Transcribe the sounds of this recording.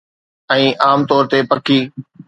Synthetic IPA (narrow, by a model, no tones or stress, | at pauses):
ɛ̃ːʔaːmt̪ɔːɾt̪epɐkiː